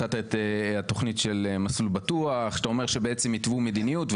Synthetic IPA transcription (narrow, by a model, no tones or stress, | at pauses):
at̪aet̪at̪o̞χnitʃe̞lemaslubatuaχʃt̪ao̞me̞ʁʃebeʔet͡semit̪vumed̪inijutv